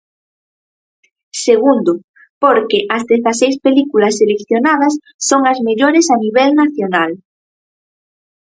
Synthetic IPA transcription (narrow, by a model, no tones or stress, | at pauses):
seɣ̞und̪o | poɾkeʔazðeθasejspelikulasːelekθjonað̞ɐsː | oŋazmeʎoɾesaniβ̞ɛlnaθjonal